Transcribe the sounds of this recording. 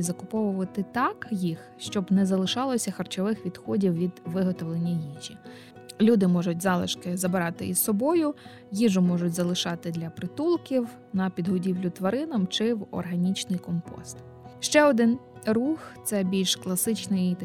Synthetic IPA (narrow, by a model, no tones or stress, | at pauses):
zɐkʊpɔʋʊʋɐt̪ɪt̪ɑkjix | ʃt͡ʃɔbnɛzɐlˠɪʃɑlˠɔsʲɐxɐrt͡ʃɔʋɪxʋʲid̪xɔdʲiwʋʲid̪ʋɪɦɔt̪ɔʋlˠenʲːɐjiʒʲi | lʲud̪ɪmɔʒʊt̚ʲzɑlˠɪʃkɪzɐbɾɑt̪ɪ̰issɔbɔjʊ | jiʒʊmɔʒʊtʲzɐlˠɪʃɑt̪ɪd̪lʲɐpɾɪt̪ulˠkʲiw | nɐpʲid̪ɦɔdʲiwlʲʊt̪ʋɐɾɪnɐmt͡ʃɪwɔ̰rɦɐnʲit͡ʃnɪjkɔmpɔ̰st̪ | ʃt͡ʃɛɔd̪ɪn | ruxt̪sɛbʲilʲʃklˠɐsɪt͡ʃnɪjt̪